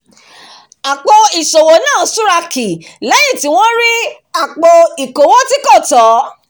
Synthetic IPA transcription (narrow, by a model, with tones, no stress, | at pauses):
a˨k͡po˧i˨so˨wo˨˦nãː˦˨˦su˦ɾa˧ki˨la˨˦ĩ˦˨ti˨˦w̃ɔ̃˦ɾi˦ | a˦˨k͡po˧i˨ko˨˦wo˦ti˦kɔ˦˨tɔ˨˦